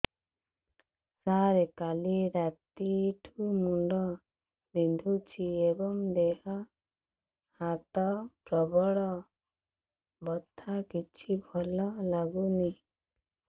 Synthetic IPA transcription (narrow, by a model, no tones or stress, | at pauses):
saɾekaliɾat̪iʈʰumuɳɖɔ | bind̪ʱut͡ʃʰiebɔŋd̪eɦɔ | hat̪ɔʈɾɔbɔɽɔ | bɔt̪ʰːakit͡ʃʰibʱɔlɔlaɡuni